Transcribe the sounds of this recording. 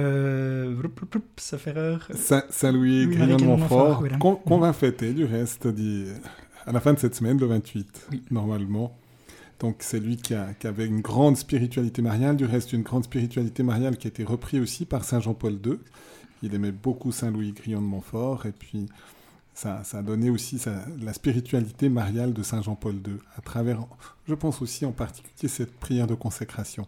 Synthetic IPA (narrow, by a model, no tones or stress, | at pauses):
ø | psəfɛʁœʁsɛ̃sɛ̃lwiɡʁijɔ̃d̪əmɔ̃fɔʁkɔ̃kɔ̃vɛ̃fɛt̪ɛd̪yʁɛst̪d̪i | alafɛ̃d̪əsɛt̪səmɛnləvɛ̃t̪ʰɥit̪nɔʁmalmɑ̃ | d̪̥ɔ̃ksɛlɥikʲiakʲiavɛynɡʁɑ̃d̪spiʁit̪ɥalit̪emaʁjald̪yʁɛst̪ynɡʁɑ̃d̪spiʁit̪ɥalit̪emaʁjalkʲiaet̪eʁəpχiosipaʁsɛ̃ʒɑ̃pɔld̪ø | ilɛmɛbokusɛ̃lwiɡʁijɑ̃d̪əmɑ̃fɔːʁepʰɥi | sasaːd̪ɔneosisalaspiʁit̪ɥalit̪emaʁjald̪əsɛ̃ʒɑ̃pɔld̪øat̪χavɛʁʒəpɑ̃sosiɑ̃paʁt̪i̥kʲyljesɛt̪̚pχijɛʁd̪əkɔ̃sekχasjɔ̃